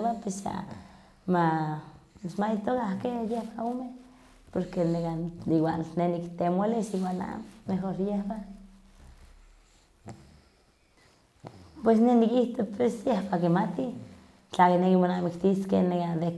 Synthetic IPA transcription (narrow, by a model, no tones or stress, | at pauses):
bapesa̰ | ma | smajit̪okahkejehbaome | poɾkeneɡaiwalnenikt̪emaleʃiwala̰nmexoɾjehba | pwesnenikiht̪opesjehbakimat̪i | t͡ɬakinekimonamikt̪iskenekad̪e